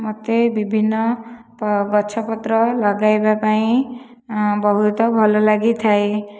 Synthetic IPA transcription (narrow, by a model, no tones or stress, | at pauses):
mot̪ebibʱinːɔpɡɔt͡ʃʰɔpɔt̪ɾɔlɔɡajbapaĩ | bɔɦut̪ɔbʱɔlɔlaɡit̪ʰae